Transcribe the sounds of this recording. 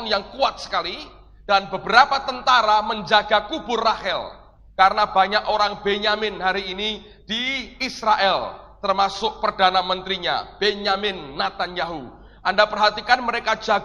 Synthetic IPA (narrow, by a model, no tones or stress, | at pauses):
njaŋkuat̪̚sə̥kali | d̥anbəbəɾapat̪ənt̪aɾaməɲd͡ʒaɡakubʊrːahɛl | kaɾənabaɲakoɾaŋbeɲamɪnɦaɾiːni | d̥iːsɾaʔɛlt̪ərmasʊk̚pərdanamənt̪ɾiɲa̰b̥eɲamɪnːat̪anjaɦu | ʔandapərɦat̪ikanməɾekad͡ʒa